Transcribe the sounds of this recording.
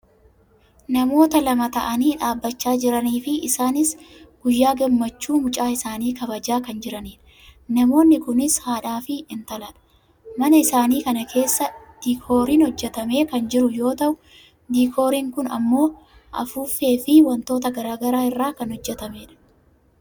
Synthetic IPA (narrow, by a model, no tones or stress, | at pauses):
nɐmo̞ːt̪ɐlɐmɐt̪ɐʔɐniːᶑaːbːɐt͡ʃːaːd͡ʒɪɾɐniːfɪɪsaːnɪsɡ̥ʊjːaːɡɛmːɐt͡ʃːuːmʊt͡ʃʼaːɪsaːniːkɐbɐd͡ʒaːkɐnd͡ʒɪɾɐniːᶑɐ | nɐmo̞ːnːɪkʊnɪshaːᶑaːfɪːnt̪ɐlɐᶑɐ̥ | mɐnɐɪsaːniːkɐnɐkʰe̞ːsːɐd̪̥iːkʰo̞ːɾiːnhɔd͡ʒːɛt̪ɐme̞ːkɐnd͡ʒɪɾʊjo̞ːt̪ɐʔʊ | d̪iːkʰo̞ːɾiːŋkʊnɐ̰mːo̞ː | ʔɐ̰fuːfe̞ːfɪwɐnt̪o̞ːt̪ɐɡɐɾaːɡɐɾaːɪrːaːkɐnhɔd͡ʒːɛt̪ɐmeːᶑɐ̥